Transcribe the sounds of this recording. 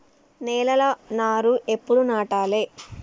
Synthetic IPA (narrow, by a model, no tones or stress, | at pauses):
nɛːlɐlɐnaːɾuepːuɽunaːʈaːleː